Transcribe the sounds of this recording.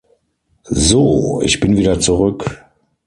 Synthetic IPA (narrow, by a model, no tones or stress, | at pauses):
zoːɪ̰çb̥ɪnviːdɐt͡suʁʏk